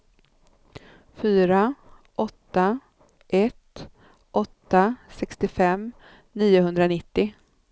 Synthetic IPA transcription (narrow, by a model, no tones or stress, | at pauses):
fyːɾa | ʔɔt̪ːa | ʔɛt̪ | ʔɔt̪ːasɛkst̪ɪfɛm | niːʊɦɵnd̪ɾanɪt̪ːɪ